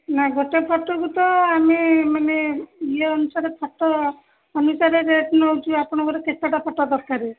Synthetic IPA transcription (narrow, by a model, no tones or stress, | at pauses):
naɡʱɔʈepʰɔʈɔɡut̪ɔamimaneieɔnusaɾepʰɔʈːɔː | nusaɾeɾeʈnɔd͡ʒuapɔɽ̃ɔɡɔɾekesaʈapʰɔʈːɔd̪ɔɾkaɾi